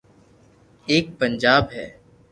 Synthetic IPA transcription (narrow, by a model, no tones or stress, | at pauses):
eːk̚pə̃nd͡ʒaːbɦɛ̰ː